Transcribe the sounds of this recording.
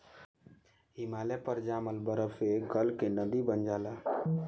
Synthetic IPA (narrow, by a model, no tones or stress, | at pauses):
ɦimalepəɾd͡ʒaməlbəɾəbeɡəlkenəd̪ibənd͡ʒala